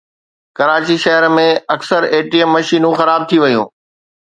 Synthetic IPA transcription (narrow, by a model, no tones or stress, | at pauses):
kɐɾaːt͡ɕiʃɐɦəɾmẽɐksəɾeːʈiəmːɐʃiːnũxɐɾaːb̚t̪ʰiʋɐjṵ̃ː